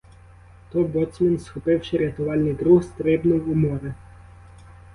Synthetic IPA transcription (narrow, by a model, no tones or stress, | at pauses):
t̪ɔbɔsʲminsxɔpɪwʃɪɾʲɪt̪ʊʋɑlʲnijd̪ɾuɦst̪ɾɪbnʊwumɔɾɪ